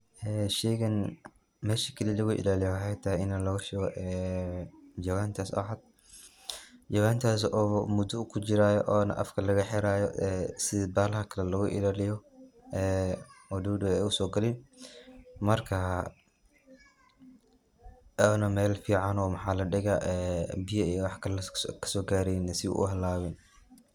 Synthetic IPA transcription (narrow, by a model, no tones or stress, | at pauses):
ʔɛːʃɛːɣɐn | mɛːʃɐ̥kʰɐlilɐɣʊʔɪ̰laːlɪjɔħaɛjt̪ʰaːɪnɐlɐɣɐʃɛɣɔʔɛː | d͡ʒɐɣaːnt̪ʰaːsɐ̰ʕad̪̚ | d͡ʒɐwaːnt̪ʰaːs̬ʔɔːmʊd̪ʊkʰʊt͡ʃɪɾaːjɔʔɔːnɐ̰ʔɐ̰fkʰɐlɐɣɐħɛɾaːjɔ̰ɛsɪðbaːlɐhɐkʰɐlɛlɐɣʊʔɪ̰laːlɪjɔɛːɔduːdʊɛjʊsɔːɡɐlɪn | mɐrkʰɐ | ɔnɐmɛːlfiːʕɑnɔːmɑħɑːlɐɖɪɣaʔɛːbɪjɐijɔwɑħkʰɐkʰɐ̥sɔːɡaːɾɛjnɐsɪṵʔʊ̰ɦɐlːaːwɪn